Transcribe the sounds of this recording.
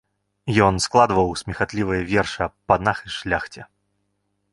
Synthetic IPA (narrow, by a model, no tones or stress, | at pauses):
jɔnsklˠad̪ɨvɐwsʲmʲixat̪lʲivɨjɐvʲɛrʂɐpɐd̪naxɨʂlʲaxt͡sʲɛ